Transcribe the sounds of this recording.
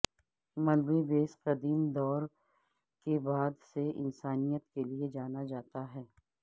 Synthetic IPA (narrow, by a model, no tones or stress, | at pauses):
mɐlbebeːsqɐd̪iːmd̪ɔːɾ | kebaːd̪seɪ̰nsaːnijət̪kelied͡ʒaːnad͡ʒaːt̪aɦɛː